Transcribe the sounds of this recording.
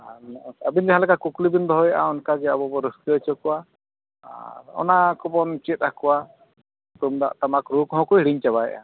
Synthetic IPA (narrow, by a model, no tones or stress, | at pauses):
aɔabind͡ʒɛɦalɛkakuklibind̪ɔɦɔjaʔaɔnkad͡ʒɛabɔbɔɾəskiət͡ʃɔkɔwa | a̰ɾɔ̰nakɔbɔnt͡ʃit̪̚akɔwa | t̪umd̪a̰ʔt̪amakɾukɦɔ̃kɔiɽiɲt͡ʃabajɛ̰ʔa̰